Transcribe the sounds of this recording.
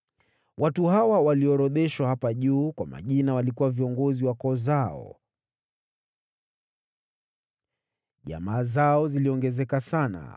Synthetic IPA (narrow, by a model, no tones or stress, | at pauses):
watuhawawaliɔɾɔðɛʃwahapaʄuːkwama̰ʄinawalikuwaviɔŋɡɔziwakɔzaɔ̰ | ʄa̰maːzaɔziliɔŋɡɛzɛkasana̰